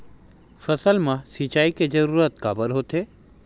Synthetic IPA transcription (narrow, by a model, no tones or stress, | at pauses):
fɐsəlmãsit͡ʃaːiked͡ʒɐɾuːɾət̪kabəɾɦoːt̪eː